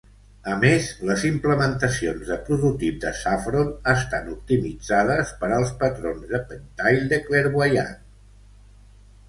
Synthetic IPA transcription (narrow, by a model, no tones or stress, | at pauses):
əmezləzimpləmənt̪əsionzðəpɾuðut̪ip̚d̪əsafɾonəst̪anup̚t̪imid͡zaðəspəɾəlˠspət̪ɾonzðəpənt̪ajld̪eklɛɾβwəja̰